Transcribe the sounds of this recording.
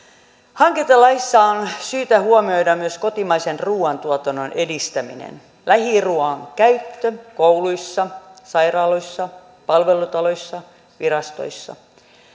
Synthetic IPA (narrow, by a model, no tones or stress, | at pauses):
hɑŋket̪ɑlːɑisːɑonsyːt̪æhuomio̞idɑmyøskot̪imɑisenruːɑnt̪uot̪ononʔedist̪æmḭnḛn | læhiruɑŋkæyt̪ːøkouluisːɑsɑirɑːloisːɑ | pɑlʋelut̪ɑloisːɑ | ʋirɑst̪o̰isːɑ̰